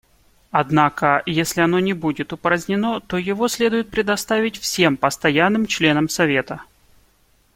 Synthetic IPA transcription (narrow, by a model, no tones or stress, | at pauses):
ɐd̪nakəjesʲlʲɪɐno̞nʲɪbudʲɪt̪ʊpəɾəzʲnʲɪno̞t̪o̞jɪvo̞sʲlʲe̞d̪ʊjɪt̪̚pɾʲɪd̪ɐst̪avʲɪtʲfsʲe̞mpəst̪ɐjanːɨmt͡ɕlʲe̞nəmsɐvʲe̞t̪ə